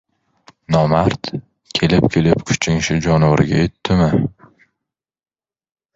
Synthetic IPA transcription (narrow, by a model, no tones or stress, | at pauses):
nɒmaɾt̪ | kʲʰe̞lɪpkʲʰe̞lɪpkʰʊ̥t͡ʃʰɪŋʃɪd͡ʒɒnɒɾɪɡʲa̰jet̪ʰːɪmɪ